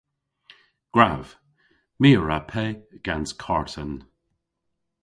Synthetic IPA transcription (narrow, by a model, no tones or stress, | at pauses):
ɡ̥ɹav̥ | miːəɹapʰɛɡ̥anskʰaɹtən